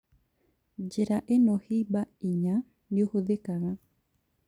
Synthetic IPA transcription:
d͡ʒeɾaʔenohibaiɲa | nuhuðekaŋa

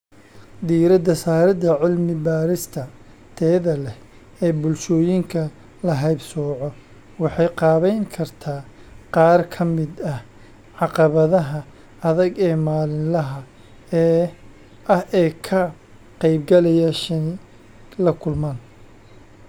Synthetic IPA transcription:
d̪iːɾɐd̪ɐsaːɾɐd̪ɐʕɪlmɪbaːɾɪst̪ʰɐ | t̪ʰɛːðɐlɛh | ɛːbʊlʃɔːjɪŋkʰɐ | lɐɦɐjbsɔːʕɔ | wɑħɑjqɑːβɛjnkʰɐrt̪ʰaːqɑːrkʰɐmɪd̪ɐh | ʕɑqɑβɐðɐɦɐ | ɐðɐɡɛːmaːlɪnlɐɦɐ | ɐhʔɛːkʰɐ | qɑjb̚ɡɐlɛjaʃɐnɪ | lɐkʰʊlmaːn

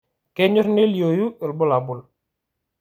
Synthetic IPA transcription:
kɛɲɔɾneljojuəlbʊlabul

